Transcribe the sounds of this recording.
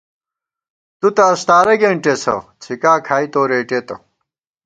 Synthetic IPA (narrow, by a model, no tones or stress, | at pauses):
t̪ut̪ɐːst̪aːɾɐɡeɳʈesɐ̰t͡sʰikaːkʰaːit̪oːɾeːʈeːt̪ɐ̰